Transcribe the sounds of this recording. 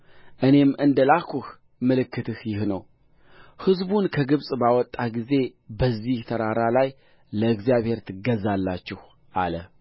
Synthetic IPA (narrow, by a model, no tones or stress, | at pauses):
ʔɨne̞mɨnd̪əlakʰuh | mɨlɨkːɨt̪ʰɨhjɪhnəw | hɨzbunkʰəɡɨβsʼbawɔt̪ʼːaɡize̞bəzːiht̪ʰəɾaɾalaj | ləɨɡzijaβhe̞ɾt̪ʰɨɡəzalːat͡ʃːɪh | ʔa̰lə